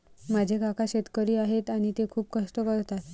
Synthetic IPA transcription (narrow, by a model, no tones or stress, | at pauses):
mad͡ʑʱekakaɕet̪kəɾiːaɦet̪aɽ̃it̪ekʰuːp̚kəsʈ̪əkəɾt̪at̪